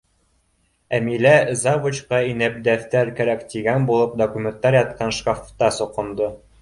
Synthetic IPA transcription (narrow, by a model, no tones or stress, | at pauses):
æmilæzɑvut͡ɕqɑinæp̚d̪æθt̪æɾkæɾækt̪iɡænbulˠɤp̚d̪okumʲent̪ːɑɾjɑt̪̚qɑnʃkaft̪ɑsŏqɤ̆nd̪ɤ